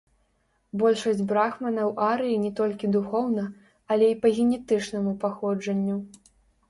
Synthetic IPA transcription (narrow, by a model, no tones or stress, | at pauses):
bɔlʲʂɐsʲd͡zʲbɾaxmɐnɐwʔaɾɨjinʲɛt̪ɔlʲkʲid̪uxɔwnɐ | ɐlʲɛipɐɣʲɛnʲɛt̪ɨt͡ʂnɐmupaxɔd͡ʐɐnʲːu